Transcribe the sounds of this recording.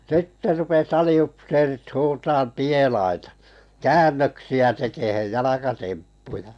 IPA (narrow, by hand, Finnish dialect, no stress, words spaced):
sitːe rupes ɑliupseːrit huːtɑːm pielɑitɑ kæːnːøksiæ tekehej jɑlɑkɑtempːujɑ